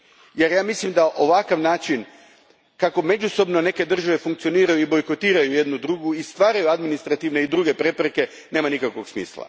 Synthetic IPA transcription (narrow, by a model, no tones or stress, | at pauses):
je̞ɾjaːmislimd̪aʔo̞ʋakaʋnaːt͡ʃin | kako̞me̞d͡ʒuso̞bno̞ne̞ke̞d̪r̩ʒaʋe̞fuŋk̚t̪sio̞niːɾajuibo̞jko̞t̪iːɾajuje̞d̪nud̪ɾuːɡuist̪ʋaːɾajuad̪minist̪ɾat̪iʋne̞id̪ɾuːɡe̞pɾe̞pɾeke̞ | ne̞ːmanikakʋo̞ɡsmḭːslˠa̰